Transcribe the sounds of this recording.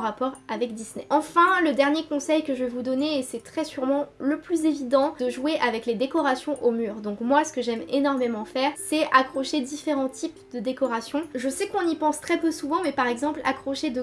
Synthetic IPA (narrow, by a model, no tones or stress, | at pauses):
ʁapɔʁavɛkd̪isnɛɑ̃fɛ̃ləd̪ɛʁnjekɔ̃sɛjkəʒəvɛvud̪ɔneːsɛt̪χɛsyʁmɑ̃ləplyzevid̪ɑ̃d̥̪əʒweʔavɛkled̪ekɔʁasjɔ̃ʔomyːʁd̪ɔ̃kmwasə̥kəʒɛmenɔʁmemɑ̃fɛːʁsɛakχɔʃed̪ifeʁɑ̃t̪ʰipd̪əd̪ekɔʁasjɔ̃ʒəsɛkɔ̃nipɑ̃st̪χɛpøsuvɑ̃mɛpaʁɛɡzɑ̃pla̰kχɔʃed̪ə